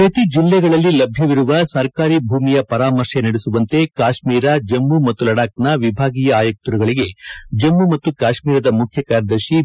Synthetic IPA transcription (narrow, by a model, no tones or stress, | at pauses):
pɾɐt̪id͡ʒilːɛɡɐɭɐlːilɐbʱjɐʋiɾuʋɐsɐɾkaːɾibʱuːmijɐpɐɾaːmɐɾʂɐnɐɽesuʋɐnt̪e̞kaːʃmiːɾɐd͡ʒɐmːumɐt̪ːulɐɽaːknɐʋibʱaːɡiːjɐaːjɐk̚t̪uɾuɡɐɭiɡe̞d͡ʒɐmːumɐt̪ːukaːʃmiːɾɐd̪ɐmukʰjɐkaːɾɐd̪ɐɾʃi